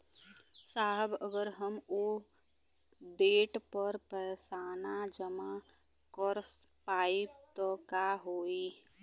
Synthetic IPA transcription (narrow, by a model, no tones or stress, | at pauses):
saːɦəbəɡəɾɦəmoː | ɖeːʈpəɾpəjsaːnad͡ʒəma | kəɾspaːip̚t̪ɔkaɦoːi